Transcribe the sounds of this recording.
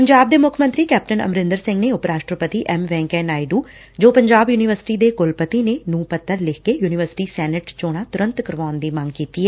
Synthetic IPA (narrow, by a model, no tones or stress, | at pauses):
pəɲd͡ʒaːb̚d̪eːmʊkʰmə̃nt̪ɾiːkɛːp̚ʈənə̰mɾɪ̃nd̪əɾsɪ̃ŋɡneːʊpɾaːʃʈɾəpət̪iːʔɛmʋɛ̃ːŋkɛ̃ːnaːiɖuː | d͡ʒoːpəɲd͡ʒaːbjuːnɪʋəɾsɪ̥ʈiːd̪eːkʊlpət̪iːneːnũːpət̪ːəɾlɪkʰkeːjuːnɪʋəɾsɪ̥ʈiːsɛːnəʈt͡ʃoːɽ̃aːt̪ʊɾə̃nt̪kəɾʋaːʊnd̪iːmãŋɡkiːt̪iːɛː